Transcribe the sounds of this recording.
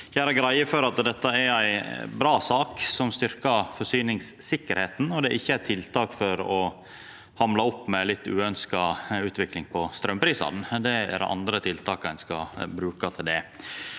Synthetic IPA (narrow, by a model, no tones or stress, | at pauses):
jæɪæɡɾæɪəfɔɾɑt̪d̪ɛt̪ːɑæɾæɪbɾɑːsɑːksɔmst̪ʏɾkɑfɔʂyːnɪŋssɪkːəɾheːt̪n̩ɔd̪ɛʔɪçːəæɪt̪ʰɪlt̪ɑːkfɔɾɔ | hɑmlɑɔpːmɛlɪt̪ːʉ̰ːœnskɑʉːt̪ʋɪklɪŋpʰɔst̪ɾœmpʰɾiːsɑ̰d̪nd̪ɛæ̰ɾ̰ʔɑ̰nd̪ɾət̪ʰɪlt̪ʰɑːkæɪnskɑ̰bɾʉːkɑt̪ʰɪld̪ɛ